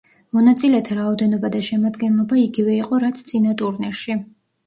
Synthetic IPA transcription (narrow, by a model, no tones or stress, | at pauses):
mɔnat̪sʼilɛt̪ʰaɾaɔd̪ɛnɔbad̪aʃɛmad̪ɡɛnlˠɔbaiɡivɛiqʼɔɾat̪sʰt̪sʼinat̪ʼuɾnɛɾʃi